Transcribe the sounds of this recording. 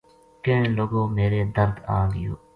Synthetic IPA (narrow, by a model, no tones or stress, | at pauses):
kẽːloːɡõːmeːɾeːd̪əɾd̪aːɡɪjo̰ː